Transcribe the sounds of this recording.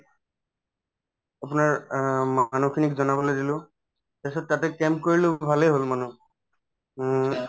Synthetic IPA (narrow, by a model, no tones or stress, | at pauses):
apʊnaɹmanukʰinikzɔnabɔlojdilʊ̃ | tɛsɔt̚ːatɛkɛmkoɹilobʱaleɦolmanu